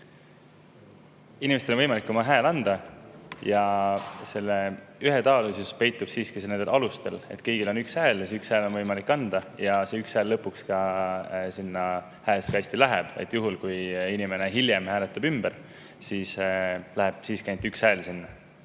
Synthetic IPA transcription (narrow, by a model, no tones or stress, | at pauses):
inimest̪elonvɤjmɑlikːˑomɑɦæːlɑnd̪̥ɑjɑse̞lːeyɦet̪ɑːlisuspe̞jt̪ːˑub̥siːskise̞ne̞nd̪elʔɑlust̪e̞le̞̰t̪ːˑkɤjɡ̥ilo̞nykshæːljesykshæelo̞nvɤjmɑlikːɑnd̪̥ɑjɑse̞ykshæːlːɤpːˑukskɑ | sinːɑ | hæeskɑjst̪ilæɦeb̥ḛt̪ːˑjuɦulkujinime̞ne̞ɦiljemhæːlet̪ːˑub̥ymb̥eɾ | siːslæɦeb̥siːskæjnt̪ːykshælsinːɑ